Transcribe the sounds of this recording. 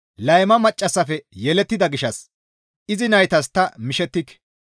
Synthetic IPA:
lɐjmɐmɐt͡ʃʼːɐsːɐfɛjɛlɛt̪ːɪd̪ɐɡɪʃɐs | ʔɪzɪnɐjt̪ɐs̬t̪ːɐmɪʃɛt̪ːɪkːɛ̥

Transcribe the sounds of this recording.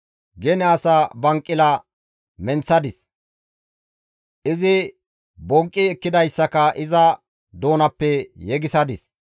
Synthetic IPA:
ɡɛnɛɐsɐbɐŋkʼːɪlɐ | mɛnt͡sːɐd̪ɪs | ʔɪzɪ | bɔŋkʼːɪɛkːɪd̪ɐjsːɐkɐʔɪzɐ | d̪oːnɐpːɛjɛɡɪsɐd̪ɪs

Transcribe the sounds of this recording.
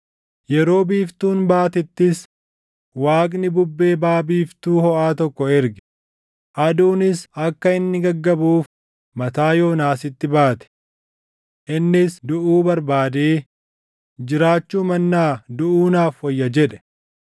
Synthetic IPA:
jɛɾo̞ːbiːft̪uːnbaːt̪ɪt̪ːɪs | waːkʼnɪbʊbːe̞ːbaːbiːft̪uːhɔʔaːt̪ɔkːɔɛɾɡɛ̥ | ʔɐd̪uːnɪsɐkːɐɪnːɪɡɐɡːɐbuːf | mɐt̪aːjo̞ːnaːsɪt̪ːɪbaːt̪ɛ̥ | ʔɪnːɪsd̪ʊʔuːbɐɾbaːd̪eː | d͡ʒɪɾaːt͡ʃːuːmɐnːaːd̪ʊʔuːnaːfhɔjːɐd͡ʒɛᶑɛ̥

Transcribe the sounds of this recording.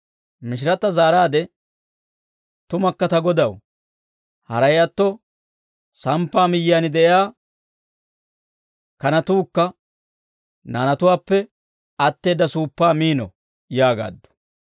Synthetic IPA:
mɪʃ̬ɪɾɐt̪ːɐzaːɾaːd̪ɛ | t̪ʊmɐkːɐt̪ɐɡɔd̪ɐw | hɐɾɐjɐt̪ːɔ | sɐmpːaːmɪjːaːnɪd̪ɛʔjaː | kɐnɐt̪uːkːɐ | naːnɐt̪ʊwaːpːɛ | ɐt̪ːe̞ːd̪ːɐsuːpːaːmiːnɔ̰ | jaːɡa̰ːd̪ːʊ̥

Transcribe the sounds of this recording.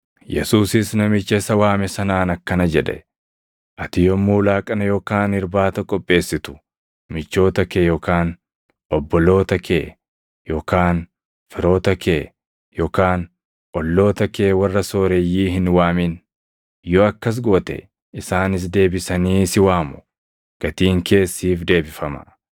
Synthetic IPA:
jɛ̰suːsɪsnɐmɪt͡ʃːɐsɐwaːmɛsɐnaːnɐkːɐnɐd͡ʒɛᶑɛ̰ | ʔɐt̪ɪjɔmːuːlaːkʼɐnɐjoːkaːnɪɾbaːt̪ɐkʼɔpʼːe̞ːsːɪt̪ʊ̥ | mɪt͡ʃːo̞ːt̪ɐkejoːkaːn | ʔɔbːɔlo̞ːt̪ɐkʰeː | joːkaːn | fɪɾo̞ːt̪ɐkeː | joːkaːn | ʔɔlːo̞ːt̪ɐkeːwɐrːɐso̞ːɾɛjːiːɦɪnwaːmɪn | jɔɐkːɐs̬ɡoːt̪ɛ̰ | ɪsaːnɪs̬d̪e̞ːbɪsɐniːsɪwaːmʊ̥ | ɡ̥ɐt̪iːŋkʰe̞ːsːiːfd̪e̞ːbɪfɐmɐ̰

